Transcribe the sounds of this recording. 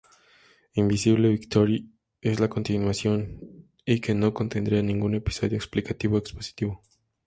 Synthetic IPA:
imbisiβle̞βikt̪o̞ɾji | e̞zlako̞nt̪inwasjo̞n | ike̞no̞ko̞nt̪e̞nd̪ɾianĩŋɡune̞pi̥so̞ðjoeksplikat̪iβoekspo̞si̥t̪iβo̞

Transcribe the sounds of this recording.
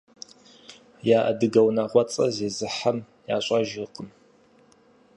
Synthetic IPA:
jaːʔɐ̰dɨɡɐwnɐʁʷɔt͡sʼɐzeːzɨħam | ja̰ːɕʷʼaʒɪqəm

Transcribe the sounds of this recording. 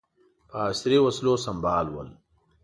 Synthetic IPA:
paːsɾiːwɐsloːsɐmbaːlwɐ̰l

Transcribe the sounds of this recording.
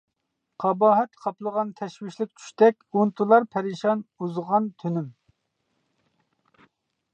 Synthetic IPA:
qʰɑbɑːɦɛt̪qʰɑplˠəʁɑnt̪ʰɛʃwɪʃlɪk̚ʲt͡ʃʰy̥ʃt̪ɛkʲunt̪ʰulˠɑɾpʰɛɾiʃɑnuzʁɑnt̪ʰynym

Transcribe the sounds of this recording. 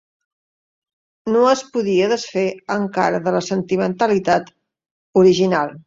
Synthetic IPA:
noəspuðiəðəsfeəŋka̰ɾəðələsənt̪imənt̪əlit̪at̪ | uɾiʒinalˠ

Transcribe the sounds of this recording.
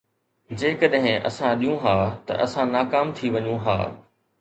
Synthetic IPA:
d͡ʑeːkəɗɦɪ̃ʔɐ̰sãɗijũɦaːt̪ɐ̰ʔɐsãnaːkaːmt̪ʰiʋɐɲũɦa̰ː

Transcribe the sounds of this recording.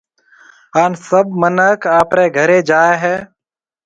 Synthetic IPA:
aːnsəb̚mənəkaːpɾeːɡʱəɾẽːd͡ʒaːeɦɛː

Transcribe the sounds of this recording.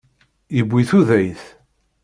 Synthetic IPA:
jəbʷːiθuðæjθ

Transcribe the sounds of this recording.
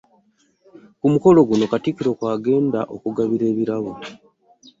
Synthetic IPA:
kumuko̞lo̞ɡuno̞katikiɾo̞kwaːɡe̞ːndaʔo̞kuɡaβiɾe̞ːβiɾaβo

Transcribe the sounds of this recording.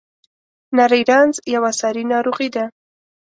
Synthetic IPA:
naɾijɾɑnzjawasɑɾinɑɾoɣid̪a

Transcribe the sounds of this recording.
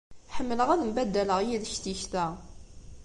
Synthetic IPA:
ħəmːələʁæðmbæd̪ːæləʁjiðçt̪içθæ

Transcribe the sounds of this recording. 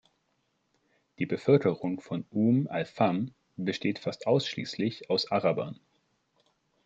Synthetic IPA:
d̥iːbəfœlkəʁʊŋfɔnʔuːmalfam | bəʃteːtfastʔaʊsʃlḭːslɪçaʊsʔaʁaba̰n

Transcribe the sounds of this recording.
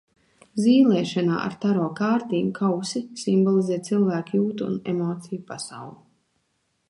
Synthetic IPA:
ziːlʲˠɛːʃana̰ːʔa̰ɾt̪aɾɔːkaːɾt̪iːmkʰawsisimbɔlˠizɛːt̪̚t̪silˠvæːkjuːt̪ṵnemɔːt̪sijupasawlˠi

